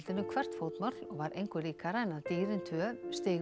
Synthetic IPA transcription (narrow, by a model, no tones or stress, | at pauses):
lt̪ɪnʏkʰvɛr̥t̪fowt̪mat̪lɔɣvaɾʔejŋkʏɾiːkaɾajnat̪iːɾɪnt̪ʰœɾst̪ɪːɣ